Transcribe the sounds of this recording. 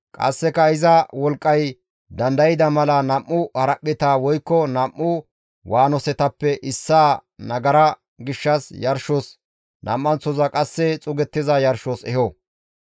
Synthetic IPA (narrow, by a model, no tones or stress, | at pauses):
kʼɐ̰sːɛkɐɪzɐwɔlkʼːɐj | d̪ɐnd̪ɐjɪd̪ɐmɐlɐnɐmːʊhɐɾɐʔːɪt̪awɔjkːɔnɐmːʊ | wʔaːnɔsɛt̪ɐpːɛʔɪsːaːnɐɡɐɾɐ | ɡɪʃːɐsjɐɾʃɔs | nʔɐ̰mːɐnt͡sːɔzɐkʼɐsːɛt͡sʼʊɡɛt̪ːɪzɐjɐɾʃosɛ̰ɦo